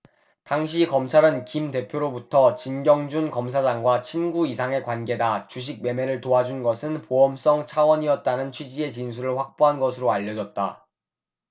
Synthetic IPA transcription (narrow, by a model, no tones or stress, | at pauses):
taŋɕ̬ʰikʌmt͡ɕʰaɾɯnkimte̞pʰjoɾobutʰʌt͡ɕinɡjʌŋd͡ʑunkʌms̬ʰad͡ʑaŋɡwat͡ɕʰinɡuisʰaŋe̞kwanɡe̞dat͡ɕuɕ̬ʰiɡ̚me̞me̞ɾɯɭtoad͡ʑunɡʌsʰɯnpoʌms͈ʌŋt͡ɕʰawʌɲiʌt̚t͈anɯnt͡ɕʰwid͡ʑie̞t͡ɕinsʰuɾɯɭɸwak̚p͈oɦanɡʌsʰɯɾoaʎːʌd͡ʑʌt̚t͈a̰